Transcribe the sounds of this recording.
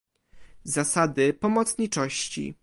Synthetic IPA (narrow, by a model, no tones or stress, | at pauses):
zasad̪ɘpɔmɔt̪sɲit͡ʂɔɕt͡ɕḭ